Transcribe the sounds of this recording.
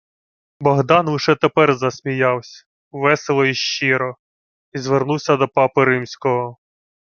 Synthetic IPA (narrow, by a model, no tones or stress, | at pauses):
bɔɦd̪ɑnlˠɪʃɛt̪epɛrzɐsʲmʲijɑwsʲɐ̥ | ʋɛselˠɔiʃt͡ʃiɾɔ | izʋernuwsʲɐd̪ɔpɑpɪɾɪmsʲkɔɦɔ